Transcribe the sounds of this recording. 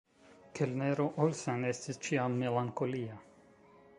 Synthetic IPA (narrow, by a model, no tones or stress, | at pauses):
kʰelneɾoʔolsenest̪ist͡ʃiamːelaŋkolia